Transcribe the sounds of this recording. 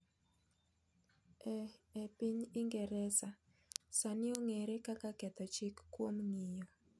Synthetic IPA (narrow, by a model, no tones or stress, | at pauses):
ɛepiɲiŋɡɛɾɛsa | sanɪoŋeɾekakakɛt̪ɔt͡ʃikːwomŋɪjɔ